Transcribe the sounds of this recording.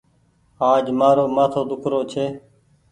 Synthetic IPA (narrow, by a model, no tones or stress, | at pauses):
aːd͡ʒmaːɾoːmaːt̪ʰoːd̪ʊkʰɾoːt͡ʃʰeː